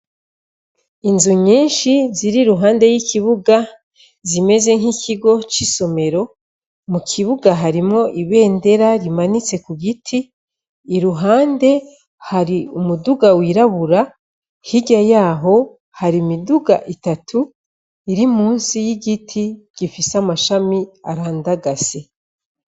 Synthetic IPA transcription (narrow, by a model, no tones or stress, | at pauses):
inzuɲiːnʃiziɾiɾuɦaːndejikiβuɡa | zime̞ze̞ŋ̥hicʰiɡo̞t͡ʃiso̞me̞ɾo̞ | mukʰiβuɡaɦaɾimŋo̞ʔiβe̞ːnde̞ɾaɾimanit͡se̞kuɡitʰiː | ɾuɦaːnde̞ | haɾiumuduɡawiɾaβuɾa | hiɟajaːɦo̞ | haɾimiduɡa̰ʔitatʰu | iɾimuːnsijiɡitʰiɡ̥ifisamaʃamiaɾaːndaɡase